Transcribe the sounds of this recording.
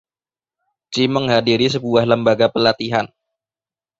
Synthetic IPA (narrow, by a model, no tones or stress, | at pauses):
d͡ʒiməŋɦadiɾisəbuahləmbaɡapəlat̪iɦan